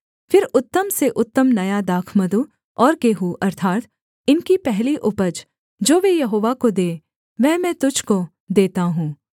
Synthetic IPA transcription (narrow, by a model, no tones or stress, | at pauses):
fɪɾʊt̪ːəmseʔʊt̪ːəmnɐjad̪aːkʰməd̪u | ɔːɾkeːɦuʔɐɾt̪ʰaːt̪ | ɪnkipɛɦliʔʊpəd͡ʒ | d͡ʒoːʋejɐɦoːʋakod̪eː | ʋɛːmɛ̃ːt̪ʊd͡ʒʱko | d̪eːt̪aɦũː